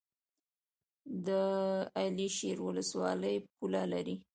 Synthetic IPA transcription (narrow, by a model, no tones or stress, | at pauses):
d̪əaliʃeɾwʊləswɑləjpulalaɾi